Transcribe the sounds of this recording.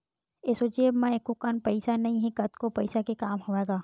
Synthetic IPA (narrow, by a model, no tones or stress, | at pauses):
eːsod͡ʒeːbmɛ̃ekːokanpɐɪsanɐɦĩɦɛ̃kɐt̪kopɐɪsakekaːmɦoʋeːɡaː